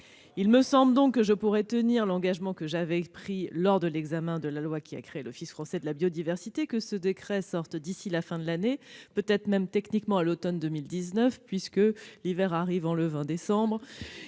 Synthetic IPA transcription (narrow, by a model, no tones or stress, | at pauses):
ilməsɑ̃bld̪ɔ̃kːəʒəpuʁɛt̪əniʁlɑ̃ɡaʒmɑ̃kəʒavɛpχilɔʁd̪əlɛɡzamɛ̃d̪əlalwakʲia̰kχeelɔfisfχɑ̃sɛd̪əlabjod̪ivɛʁsit̪ekəsəd̪ekχɛsɔʁt̪d̪isilafɛ̃d̪əlanepøt̪ɛt̪χmɛmt̪ɛknikmɑ̃alot̪ɔnd̪əmild̪iznœfpɥiskəlivɛʁaʁivɑ̃ləvɛ̃d̪esɑ̃bʁ